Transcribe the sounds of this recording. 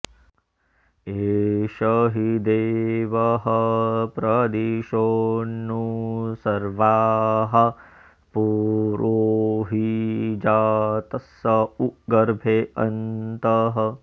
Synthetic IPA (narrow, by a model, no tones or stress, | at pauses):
eːʃɐɦid̪eːʋɐɦɐpɾɐd̪iːʃoːnːusɐɾʋaːɦɐ | puɾoɦid͡ʒaːt̪ɐsːɐuɡɐɾbʱeːɐnt̪ɐɦɐ